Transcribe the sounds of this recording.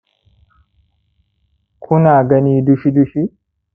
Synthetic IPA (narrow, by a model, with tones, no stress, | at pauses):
kʰʊ˦naː˨ɡɐ˦niːd̪ʊ˦ʃɪ˦d̪ʊʃɪ˦